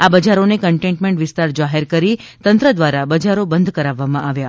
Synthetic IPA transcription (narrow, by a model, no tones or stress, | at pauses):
abəd͡ʒaɾonekəɳʈẽɳʈmẽɳʈʋɪst̪aɾd͡ʒaɦeɾkəɾit̪ənt̪ɾəd̪ʋaɾabəd͡ʒaɾobənd̪ʱkəɾaʋːamãʔaʋja